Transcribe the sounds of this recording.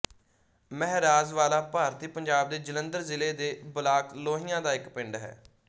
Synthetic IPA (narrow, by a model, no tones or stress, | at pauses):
mɛɦɾaːzʋaːlaːpaːɾt̪iːpəɲd͡ʒaːb̚d̪eːd͡ʒələ̃nd̪əɾzɪleːd̪eːbəlaːkloːɦijãːd̪aːɪkpɪ̃ɳɖɦɛ̰ː